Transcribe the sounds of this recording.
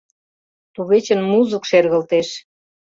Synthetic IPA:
t̪uɣet͡ɕə̆nmuzukʃerɣə̆lt̪eʃ

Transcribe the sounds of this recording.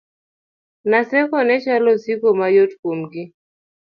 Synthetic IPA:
nasɛkɔnɛt͡ʃalɔsikɔmajɔtkum̩ɡi

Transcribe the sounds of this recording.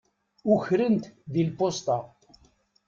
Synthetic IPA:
ʊçɾənt̪ðilpost̪ɑ

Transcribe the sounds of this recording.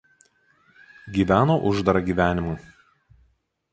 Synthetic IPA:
ɡʲiːʋʲæːnoʔʊʒd̪ɐɾɐɡʲiːʋʲæːnʲɪmʊ

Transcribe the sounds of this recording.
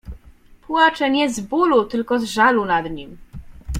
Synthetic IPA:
pwat͡ʂɛɲɛzbulut̪ɘlkɔzʐalunad̪ɲim

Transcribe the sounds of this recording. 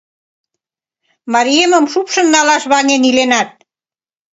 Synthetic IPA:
mɑɾiemə̆mʃupʃə̆nnɑlɑʃβɑnenilenɑt̪̚

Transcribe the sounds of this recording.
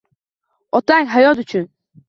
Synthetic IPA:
ɔt̪aŋʲɦajɔt̪ut͡ʃʰʊn

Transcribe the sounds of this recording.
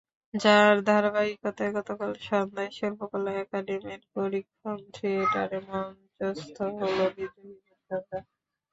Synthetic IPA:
d͡ʑaɾd̪ʱaɾbaɾikot̪aeɡɔt̪okalʃɔnd̪ajʃɔlpokɔlaɛkaɖemiɾkoɾikʰːont̪ʰɾieʈa̰ɾemon | d͡ʑost̪ʰoɦolobid̪uinaʃɔnd̪a

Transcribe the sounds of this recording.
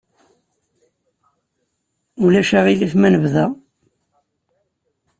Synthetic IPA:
ulæʃæʁilifmænəvðæ

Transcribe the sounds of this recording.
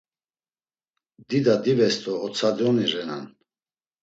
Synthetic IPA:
d̪id̪ad̪ivɛst̪ʼɔːt͡sʰad̪iɔniɾɛna̰n

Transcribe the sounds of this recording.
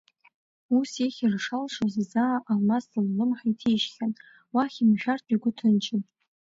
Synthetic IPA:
useχʲirʂalʂozzaʔalmasɨllɨmħaitʰejʃχʲan | waχʲimʒᶣartʰʼiɡʷʊtʰɨnt͡ʃʰɪn

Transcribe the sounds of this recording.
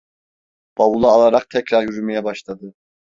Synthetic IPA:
b̥awulˠaːlˠaɾaq̚t̪ʰɛcɾaɾjyɾymɛjɛbaʃlˠad̪ɯ

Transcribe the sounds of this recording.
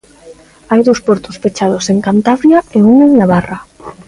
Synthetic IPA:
ajðowspɔɾt̪ʊsfet͡ʃað̞oseŋkant̪aβɾjaeuŋeŋnaβara

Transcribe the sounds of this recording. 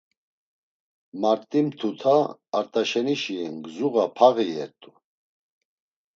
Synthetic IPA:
maɾt̪ʼimt̪ʰut̪ʰaːɾt̪ʼaʃɛniʃiɛnɡzuɣapʰaɣiɛ̰ɾt̪ʼu

